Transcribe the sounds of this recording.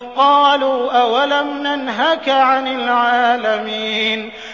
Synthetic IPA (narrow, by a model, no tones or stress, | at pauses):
qɑːluːʔawalamnanɦakʕanɪlʕaːlamiːn